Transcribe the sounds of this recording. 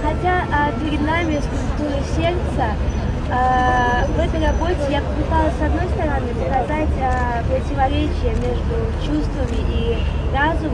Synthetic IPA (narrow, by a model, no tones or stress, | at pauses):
xɐtʲaʔpʲɪɾʲɪd̪namʲɪskʊlʲt̪uɾɨsʲe̞rt̪sə | vɛt̪əjrɐbo̞tʲɪjapəpɨt̪alˠəsʲsɐd̪no̞jst̪əɾɐnɨpəkɐzatʲə | pɾətʲɪvɐɾʲet͡ɕɪjəmʲe̞ʐd̪ʊt͡ɕust̪vəmʲɪʔi | razʊm